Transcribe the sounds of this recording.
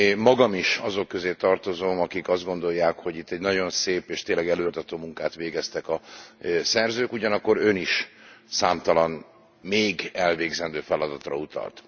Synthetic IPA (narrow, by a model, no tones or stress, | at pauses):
mɒɡɒmiʃɒzo̞kːøzeːt̪ɒrt̪o̞zoːmɒkikɒzd̪ɡo̞nd̪o̞jːaːkho̞ɟit̪ːɛɟnɒɟo̞nseːpeːʃt̪eːnlɛɡɛløːt̪ɒt̪oːmuŋkaːt̪ʋeːɡɛst̪ɛkɒsɛrzøːkuɟɒnɒkːo̞ɾø̞niʃsaːmt̪ɒlɒn | meːɡɛlveːɡzɛnd̪øːfɛlɒd̪ɒt̪rɒ̰ut̪ɒ̰lt̪